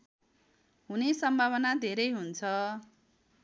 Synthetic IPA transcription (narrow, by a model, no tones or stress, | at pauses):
ɦunesʌmbʱaβʌnad̪ʱeɾʌjɦunt͡sʰʌ